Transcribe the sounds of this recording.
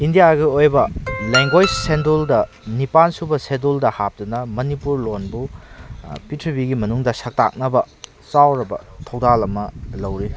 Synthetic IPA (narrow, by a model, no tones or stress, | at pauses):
indijaɡiojbɐleŋɡwojd͡ʒsenduldɐ | nipansubɐseduldɐhap̚tɐnɐmɐnipuɾlonbu | pitʰɐbiɡimɐnuŋdɐsɐk̚ta̰k̚nɐbɐ | sawɾɐbɐ̰tʰɐwdalɐmɐlɐwɾi